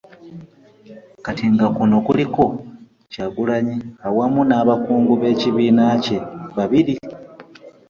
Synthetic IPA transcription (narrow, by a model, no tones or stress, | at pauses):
katiŋɡakuno̞kuliko̞ | caɡulaɲiawamunaβakuːŋɡuβe̞ciβiːnace̞βaβiɾi